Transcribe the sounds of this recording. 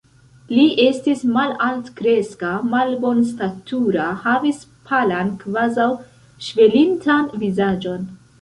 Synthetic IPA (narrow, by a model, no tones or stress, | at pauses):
liʔe̞stismalaltkɾe̞skamalbo̞nstatʰuɾahavispʰalankvazaw | ʃve̞lintʰanvizad͡ʒo̞n